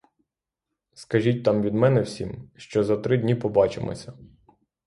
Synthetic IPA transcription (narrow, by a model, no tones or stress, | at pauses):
skɐʒʲit̚ʲt̪ɑmʋʲid̪mɛnɛwsʲimʃt͡ʃɔzɐt̪ɾɪdʲnʲipɔbɑt͡ʃḛmɔ̰sʲɐ